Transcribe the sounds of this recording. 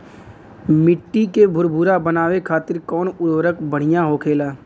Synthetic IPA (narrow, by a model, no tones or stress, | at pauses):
mɪʈːikebʱʊɾbʱuːɾabənaːʋekʰaːt̪ɪɾkɔːnʊɽʋɾəkbəɽ̤ɪjaɦoːkʰeːlaː